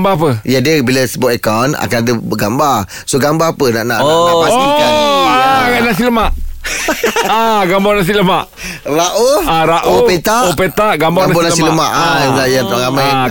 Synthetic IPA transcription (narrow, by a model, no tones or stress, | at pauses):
mbaap̬əjadəbilasəbɔt̪ekana̰kanadəbəɡamba | soɡambaapəna̰ʔna̰ʔoaaia | anas̬iləmaʔ | aɡambanas̬iləmaʔ | raʔoaɾaʔopet̪aʔopet̪aʔɡambaɡambanasiləmaʔaaajat̪ɾamaj